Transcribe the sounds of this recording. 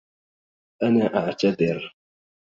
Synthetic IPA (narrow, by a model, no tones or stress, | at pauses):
ʔanaːʔaʕt̪ad̪ɪɾ